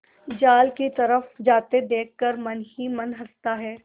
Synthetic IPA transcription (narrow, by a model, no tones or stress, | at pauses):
d͡ʒaːlkit̪ɐɾəfd͡ʒaːt̪ed̪eːkʰkɐɾmɐnɦimɐnɦɐst̪aɦɛː